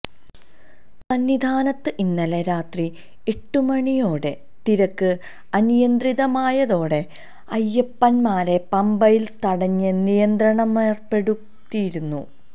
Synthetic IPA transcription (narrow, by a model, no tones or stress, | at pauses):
sɐnːid̪ʱaːnɐt̪ːɨʔinːɐleɾaːt̪ri | eʈːumɐɳijo̞ːɽe̞ | t̪iɾɐkːɨ | ɐnijɐnd̪riðɐmaːjɐðo̞ːɽe̞ | ɐjːɐpːɐnmaːɾe̞pɐmbɐjilt̪ɐɽɐɲːɨnijɐnd̪ɾɐɳɐmeːrpe̞ɽu | t̪ːijiɾunːu